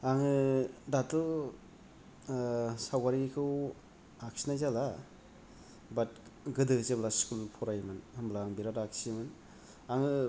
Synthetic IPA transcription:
aŋɯdatɯ | sawɡaɾiikʰɯw | aksinajzala | bat̚ɡɯdɯzeblaskulpʰɔɾajmɯnhɯmblaŋbiɾadaksimɯn | aŋɯ

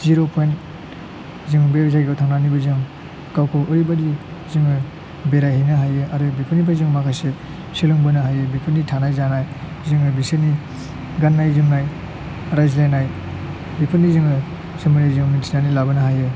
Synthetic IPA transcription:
ziɾopʰojn | ziŋbezaɡiɡawtʰaŋnanibɐzɯŋ | kawkʰoʔoɾibadiziŋɯ | beɾajhijnɐɦajɯaɾubipʰɯnipʰajzɯŋmakʰajse | siluŋbɯnɐɦajɯbipʰɯnːitʰanajzanaj | zɯŋɯbiseni | ɡanːajzɯŋnaj | ɾajzlajnaj | bipʰɯnːiziŋɯ | simɯɾajzɯŋmintʰinanilabɐnɐɦajɯ

